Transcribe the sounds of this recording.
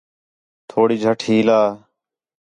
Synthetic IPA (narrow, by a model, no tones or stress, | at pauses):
t̪ʰoːɽiːd͡ʒʱəʈʰiːlaː